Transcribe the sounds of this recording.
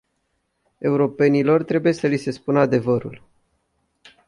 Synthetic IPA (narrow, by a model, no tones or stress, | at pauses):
e̞uɾo̞pe̞nilo̞rt̪ɾe̞buje̞səlise̞spunəad̪e̞vəɾṵl